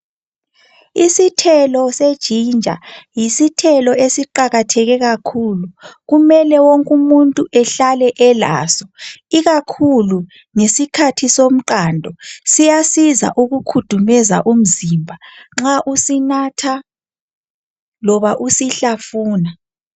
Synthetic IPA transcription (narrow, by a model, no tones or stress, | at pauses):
isitʰɛlɔsed̥ʒ̥ʱind͡ʒʱa̰jisitʰɛlɔesiǃaɣatʰɛɣɛɣakʰuluɣumɛlɛwoŋkʼumuntʼuʔɛɬalɛʔɛla̰ːsɔ̥iɣakʰulu | ŋesikʰatʰisom̩ǃandʱɔsijasiza̰ʔuɣukʰud̥ʱumɛza̰ʔum̩zimbʱaŋ͡ǁaʔusinatʰa | lɔβaʔusiɬafuːna